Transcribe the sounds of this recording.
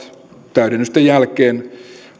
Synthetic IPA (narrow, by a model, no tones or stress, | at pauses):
t̪æyɾenːøst̪ejælkeːn